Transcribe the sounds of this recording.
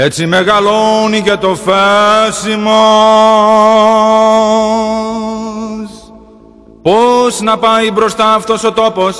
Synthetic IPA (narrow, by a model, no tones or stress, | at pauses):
e̞t͡sime̞ɣɐlo̞nicet̪o̞fesimo | s | po̞znɐpɐjbɾo̞st̪ɐːft̪o̞so̞t̪o̞po̞s